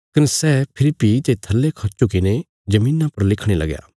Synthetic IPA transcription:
kɐnsɛːpʰɪɾipit̪et̪ʰɐlːekʰɐt͡ʃokɪne | d͡ʒɐmĩːnapɐɾlɪkʰɽ̃elɐ̰ɡja̰ː

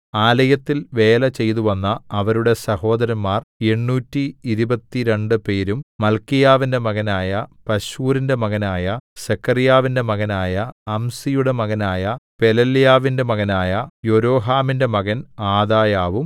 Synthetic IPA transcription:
aːlɐjɐt̪ːilʋe̞ːlɐt͡ɕe̞jt̪uʋɐnːɐɐʋɐɾuɽe̞sɐho̞ːd̪ɐɾɐmmːaːre̞ɳːuːtːiːɾubɐt̪ːiɾe̞ɳɖɨpe̞ːɾummɐlkijaːʋinde̞mɐɣɐnaːjɐpɐɕuːɾinde̞mɐɣɐnaːjɐsekʰːɐrijaːʋinde̞mɐɣɐnaːjɐːmsijuɽe̞mɐɣɐnaːjɐpe̞lɐljaːʋinde̞mɐɣɐnaːjɐjo̞ɾo̞ːɦaːminde̞mɐɣɐnaːd̪aːjaːʋum

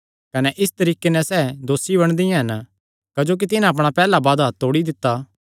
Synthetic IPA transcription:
kɐnɛʔɪst̪ɐɾiːkenɛsɛːd̪oːsːibɐɽ̃d̪ijãɦɐn | kɐd͡ʒoːk̬it̪ɪnãɐp̬ɽ̃apɛːlabaːd̪ɦɐt̪ːoːɽid̪ɪt̪ːa

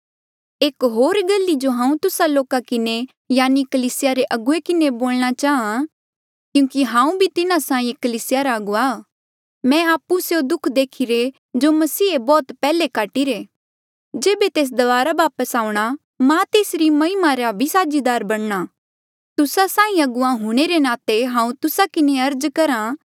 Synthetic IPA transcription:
eːkɦoːɾɡɐlːid͡ʒoɦãːũt̪ʊsaloːkakɪne | jaːnikɐliːsɪjaɾeʔɐɡʊekɪneboːlñat͡ʃaːã | kjũːkiɦãːũbʱit̪ɪnãsãːĩkɐliːsɪjaɾaɐɡʊa | mɛ̃aːpːusjod̪ʊkʰd̪eːkʰiɾe | d͡ʒomɐsiːebɔːt̪pɛːlekaːʈiɾe | d͡ʒeːbet̪eːs̬d̪ɐʋaːɾabaːpəsaːũɽ̃a | mãt̪eːsɾimɐɦɪmaɾabʱisaːd͡ʒid̪aːɾbɐɽ̃ɽ̃a | t̪ʊsasãːĩɐɡʊãɦuɽ̃eɾenaːt̪eɦãːũt̪ʊsakɪneɐɾd͡ʒkɐɾã

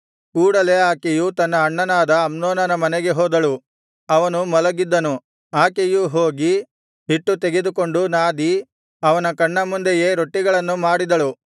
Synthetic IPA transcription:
kuːɽɐle̞aːkejut̪ɐnːɐːɳːɐnaːd̪ɐːmnoːnɐnɐmɐnɛɡe̞ɦoːd̪ɐɭu | ɐʋɐnumɐlɐɡid̪ːɐnu | aːkejuɦo̞ːɡi | ɦiʈːut̪eɡed̪uko̞ɳɖunaːd̪i | ɐʋɐnɐkɐɳːɐmund̪eje̞ːɾo̞ʈːiɡɐɭɐnːumaːɽid̪ɐɭu

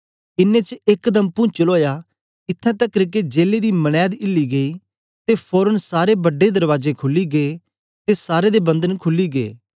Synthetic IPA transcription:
ɪnːeːt͡ʃɪkd̪əmpʊ̃t͡ʃəloːjaː | ɪt̪ʰːɛ̃ːt̪əkɾɪked͡ʒeːleːd̪iːmənɛːd̪ɪlːiːɡəiː | t̪eːpʰɔːɾənsaːɾeːbəɖed̪əɾʋaːzeːkʰʊlːiːɡeː | t̪eːsaːɾeːd̪eːbə̃nd̪ənkʰʊlːiːɡḛː

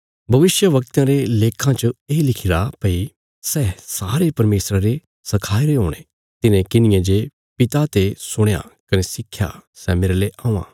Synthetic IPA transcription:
bʱɐʋɪsjəʋɐk̚t̪jãɾeleːkʰãt͡ʃəeːlɪkʰɪɾapɐi | sɛsaːɾepɐɾmeːsɾaɾe | sɐkʰaːiɾeɦoːɽ̃e | t̪ɪnẽkɪnɪjãd͡ʒe | pɪt̪at̪esʊɽ̃ja̰kɐnesɪkʰːja̰sɛmeːɾeleʔaːũã̰ː

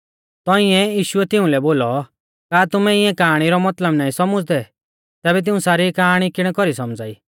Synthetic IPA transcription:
t̪ɔĩɛjiːʃʊɛt̪ɪũlɛboːlɔ | kaːt̪ʊmɛɪɛ̃kaːaɽ̃iɾɔmɐt̪ləbnaːĩsɔmʊd͡zd̪ɛ | t̪ɛːbɛt̪̬ɪũsaːɾikaaɽ̃ikɪɽ̃ɛkɔɾisɔmd͡za̰ːiː

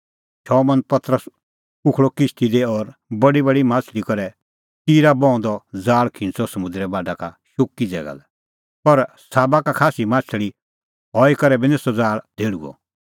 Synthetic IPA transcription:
t͡ʃʰɔmɐ̃npɐt̪ɾəs | ʊkʰɭɔkɪst̪id̪eɔːɾbɐɖibɐɽimaːt͡ʃʰlikɔɾɛ | t̪iːɾabɔ̃ɔ̃nd̪ɔd͡zaːɭkʰɪ̃nt͡sɔsɐmʊ̃nd̪ɾɛbaːɖakaʃoːkːid͡zɛ̰ːɡa̰lɛ | pɐɾ | saːbakakʰaːsimaːt͡ʃʰəɭi | ɦɔːikɐɾɛbinesɔd͡zaːɭd̪ʱeːɽṵɔ̰

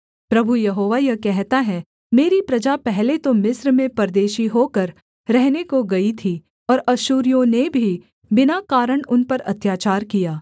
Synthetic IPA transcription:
pɾɐbʱujɐɦoːʋajɐkɛɦt̪aɦɛ | meːɾipɾɐd͡ʒapɛɦlet̪omɪsɾmẽpɐɾd̪eːʃiɦokɐɾ | ɾɛɦnekoɡɐit̪ʰi | ɔːɾɐʃuːɾijõnebʱi | bɪnakaːɾəɽ̃ʊnpɐɾɐt̪jaːt͡ʃaːɾkijaː

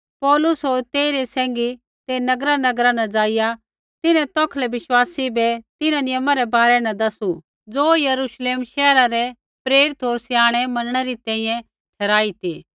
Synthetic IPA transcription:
pɔːlʊsɦoːɾt̪eːɾesɛ̃ːŋɡi | t̪enɐɡɾanɐɡɾanɐd͡zaːɪja | t̪ɪnɛ̃t̪ɔkʰlɛʋɪʃwaːsibɛt̪ɪnanɪjəmãɾɛbaːɾɛnɐd̪ɐsu | d͡zoːjɐɾuʃleːmʃɛːɾaɾɛ | pɾeːɾɪt̪ɦoːɾsɪjaːɽ̃ɛmɐnəɽ̃ɛɾit̪ɛ̃ːĩjɛ̃ | ʈʰɛːɾaːit̪iː

